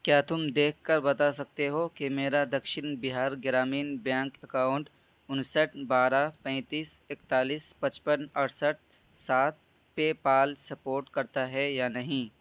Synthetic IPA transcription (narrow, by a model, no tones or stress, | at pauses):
kjaːt̪ʊmd̪eːkʰkɐɾbɐt̪asɐk̚t̪eɦokemeːɾad̪ɐkʃɪnbɪɦaːɾɡɪɾaːmiːnbjɛ̃ːŋkɐkaːʊ̃ɳʈ | ʊnsəʈʰbaːɾapɛ̃ːt̪iːs | ekt̪aːliːspɐt͡ʃpənɐɾsəʈ̚ | saːt̪̚ | pepaːlsɐpoːɾʈkɐɾt̪aɦɛjaːnɐɦĩ